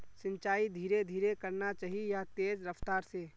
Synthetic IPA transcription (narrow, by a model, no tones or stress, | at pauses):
sɪ̃nt͡ʃaːid̪ʱiːɾed̪ʱiːɾekɐɾnat͡ʃaːɦiejat̪eːd͡ʒɾɐft̪aːɾse